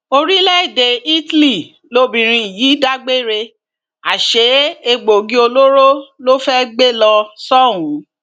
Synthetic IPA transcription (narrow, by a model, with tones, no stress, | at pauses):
o˧ɾi˦lɛ˦i˦˨de˨i˦tli˨ | lo˦bĩ˨ɾ̃ĩ˧i˨ji˨˦da˦ɡ͡be˦ɾe˧ | a˨ʃe˨˦e˧ɡ͡bo˨ɡĩ˨˦o˧lo˦ɾo˦lo˦fɛ˦ɡ͡be˦lã˧sɔ˦˨wũ˨˦